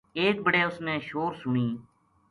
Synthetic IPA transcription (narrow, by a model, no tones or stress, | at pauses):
eːk̚bəɽeːʊsnẽːʃoːɾsʊɳiː